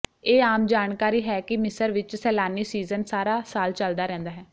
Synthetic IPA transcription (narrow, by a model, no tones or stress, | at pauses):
eːaːmd͡ʒaːnkaːɾiːɦɛːkɪmɪsəɾʋɪt͡ʃsɛːlaːniːsiːzənsaːɾaːsaːlt͡ʃəld̪aːɾɛ̃ːnd̪aːɦɛː